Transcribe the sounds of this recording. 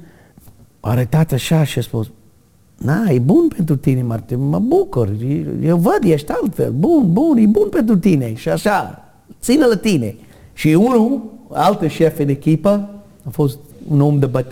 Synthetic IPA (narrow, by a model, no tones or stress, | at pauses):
pa̰ɾet̪at̪aʃaʃɛspos | naibunpɛnt̪uɾt̪inemaɾt̪imabukəɾijewvəd̪jaʃt̪alfḛlbunbunibunpɛnt̪uɾt̪ineʃaʃa | t͡sinəlat̪ine | ʃiunualt̪ɾəʃɛfɪnekipɐ | əfosunomd̪əbət